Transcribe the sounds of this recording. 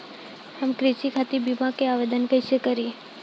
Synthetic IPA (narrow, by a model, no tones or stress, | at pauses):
həmkɾɪt͡ʃikʰat̪ibimakeaʋed̪ənkəjt͡ʃʰekəɾi